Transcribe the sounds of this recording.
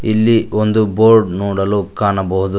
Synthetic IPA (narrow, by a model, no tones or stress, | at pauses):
ilːiond̪uboːɾɖnoːɽɐlukaːɳɐbɐɦud̪u